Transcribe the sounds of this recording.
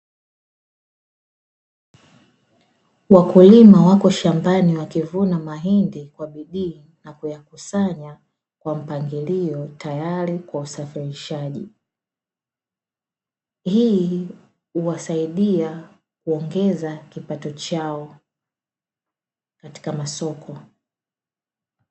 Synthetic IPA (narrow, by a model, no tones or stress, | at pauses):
wakulimawakɔʃambaniwakivunamaɦindikwaɓiɗiː | nakujakusaɲa | kwam̩paŋɡiliɔtajaɾikwausafiɾiʃaʄḭ | hiː | uwasaiɗia | kuɔŋɡɛzakipatɔt͡ʃaɔ | kati̥kamasɔkʰɔ